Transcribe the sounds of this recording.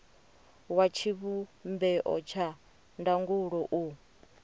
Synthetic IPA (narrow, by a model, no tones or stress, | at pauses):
wat͡ʃʰiβumbɛʔɔ̰t͡ʃʰa | ndaŋɡuɺɔʔu